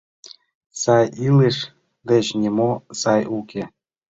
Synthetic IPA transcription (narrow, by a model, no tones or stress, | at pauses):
sɑjileʃ | ɡə̆t͡ɕnʲemosɑjukʰe